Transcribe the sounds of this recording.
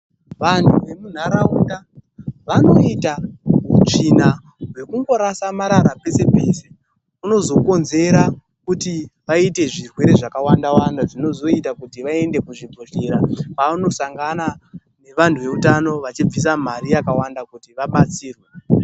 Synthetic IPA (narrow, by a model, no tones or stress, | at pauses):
ʋantuʋe̞mun̤aɾauta | ʋano̞itaut͡ʂina | wwe̞kuŋɡo̞ɾasamaɾaɾape̞se̞pese | uno̞zo̞ko̞nze̞ɾa | kutiʋaite̞ʐirwe̞ɾe̞ʐakawandawandaʐino̞zo̞itakutiʋae̞nde̞kuʐibʱoʃeɾapauno̞saŋɡana | ne̞ʋantʰuʋe̞utano̞ʋat͡ʃib͡vis̬am̤aɾijakawandakutiʋaɓat͡siːrwe